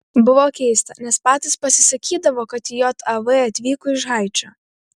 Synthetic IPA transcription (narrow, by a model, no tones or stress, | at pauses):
bʊʋɔkʲejst̪ɐnʲɛspɑːt̪ɪspɐsʲɪsɐkʲiːd̪ɐʋɔkɐt̪ʲɪjɔt̪ʰɐʋɪɐt̪ʲʋʲiːkʊɪʒɦɑjt͡ʃɐ